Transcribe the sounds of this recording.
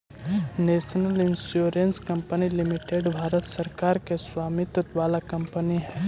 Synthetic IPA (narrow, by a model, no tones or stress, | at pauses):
neːsnəlɪnsjoːɾenskɐ̃mpənilimiʈeɖbʱaːɾət̪səɾkaːɾkeswaːmit̪ət̪ʋaːlakɐmpəniɦɛ